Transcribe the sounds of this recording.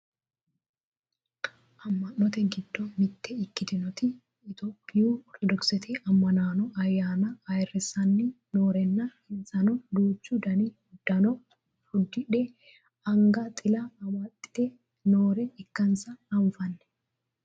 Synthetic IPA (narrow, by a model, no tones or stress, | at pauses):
ʔɐmːɐnːɔt̪ɛɡɪd̪ːɔmɪt̪ʰːɛɪkːɪd̪ɪnɔt̪ɪ | ɪt̪oːpʼːɪjuːɔɾt̪ɔd̪ɔksɛt̪ʰɪʔɐmːɐnaːnɔʔɐjːaːnɐːjɛrɛsɐnːɪ | noːɾɛnːɐhɪnsɐnɔd̪uːt͡ʃːud̪ɐni | d̪̥ɐnɔ | hʊd̪ːɪᶑɛ | ɐŋɡɐt̪ʼɪlɐwɐt̪ʼːɪ̥t̪ɛ | noːɾɛɪkːɐnsɐnɐmʊfɐnːɛ̥